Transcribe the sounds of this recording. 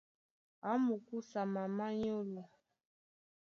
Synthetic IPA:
a˨˦mu˨ku˦sa˨ma˨ma˦ɲo˦lu˨

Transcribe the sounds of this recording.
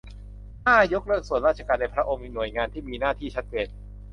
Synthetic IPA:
t̪aː˥˩jo˦˥k̚ɾɯ˥˩ək̚su˨˩ənɾaː˥˩t̪̚ʰa˧kaː˧nːa˧jpʰɾa˦˥ʔo˧ŋmiː˧nu˨˩əjŋaː˧nt̪ʰiː˥˩miː˧naː˥˩t̪ʰiː˥˩t͡ɕʰa˦˥t̪̚t͡ɕeː˧n

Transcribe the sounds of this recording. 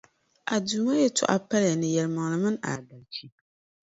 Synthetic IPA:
ʔa˨duː˨ma˦jɛ˦tʊ̰˨ʔa̰˦pa˦lja˨nɨ˨jɛ˨lɨ˨ma˨ŋlɨ˨mɨ˦na̰˨da˨lt͡ʃi˦

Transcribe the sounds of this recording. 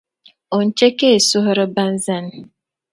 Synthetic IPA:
o˨n̩˦˨t͡ʃe˦ke˦e˨su˦ɦɔ˦ɾɔ˦ba˦n̩˦za˦n˨˦

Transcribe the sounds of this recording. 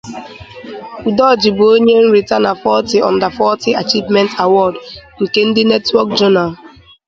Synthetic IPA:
u˨dɔ˦˨d͡ʒi˨bo˨o˦ɲe˦n̩˦ɾi˨ta˦na˨fɔ˦ti˨ɔ̰̃˨nda˨fɔ˦ti˦a˨t͡ʃi˦vmɛ̃˦nta˨wɔ˦˨dŋ̩˨ke˨n̩˦di˦nɛ˦twɔ˦kd͡ʒɔ˦na˨l

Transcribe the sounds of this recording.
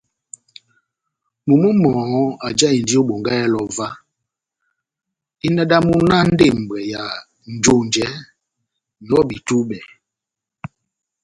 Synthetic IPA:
mu˨mə˦mɔ˨˦a˨d͡ʒa˦i˨n˨di˦o˦ɓo˨ŋɡa˦jɛ˦lɔ˨va˦ | i˦na˦da˦mu˦na˦n̩˦de˦˨m̩˨bɛ˨ja˨ | n̩˨d͡ʒo˦˨n˨d͡ʒɛ˦ | n˨ɔ˦bi˨tu˦ɓɛ˨

